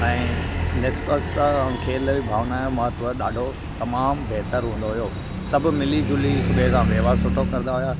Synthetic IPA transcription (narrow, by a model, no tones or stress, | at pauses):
ɛ̃ːneksʈəɾksãkʰeːlibʱaːʋnaːjomãt̪ʊəɗaːɖʱo | t̪ɐmaːmbeɦt̪əɾɦũːn̆d̪oɦujoː | sɐbʱʊ̆mɪlid͡ʑʊliʊbʱekãʋɐɦʋaːɾsʊʈʰokɐɾɪnd̪aɦʊjaː